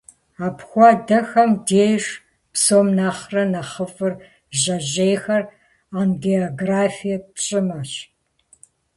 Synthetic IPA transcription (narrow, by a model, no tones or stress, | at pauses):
aːpxʷɑdɐxɐmdeːjʂ | psoːmnaːχrɐnɐχəfʼɨr | ʑɐʑejxɐr | aːnɡeoɡraːfijɛpɕʼɪmɐɕ